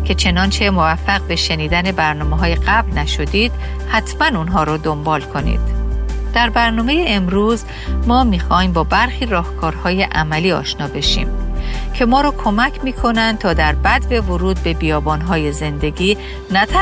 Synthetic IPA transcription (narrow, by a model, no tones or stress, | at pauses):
cʲʰe̞t͡ʃʰe̞nɒːnt͡ʃʰe̞mo̞væfːæɣbe̞ʃeniːd̪æne̞bæɾnɒːmeɦɒːje̞ɡæblnæʃo̞d̪iːd̪̥ | hæt̪ʰmænunɦɒːɾɔd̪o̞mbɒːlkʰo̞nḭd̪̥d̪̥æɾbæɾnɒːme̞jeʔemɾuːz | mɒːmiːxɒːiːmbɒːbæɾxiːɾɒːhkʰɒːɾhɒːje̞ʔæmæliːɒ̰ːʃnɒːbe̞ʃḭːmcʰe̞mɒːɾɒːkʰo̞mæcʰmiːkʰo̞nænd̪t̪ʰɒːd̪æɾbæd̪be̞voɾuːd̪̚be̞bijɒːbɒːnɦɒːjeze̞nd̪e̞ɡiː | næt̪ʰæ